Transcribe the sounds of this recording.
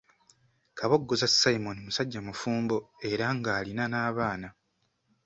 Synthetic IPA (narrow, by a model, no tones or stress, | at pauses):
kaβo̞ɡːozasaimo̞nimusaɟːamufuːmbo̞e̞ɾaŋɡaːlinanaːβaːna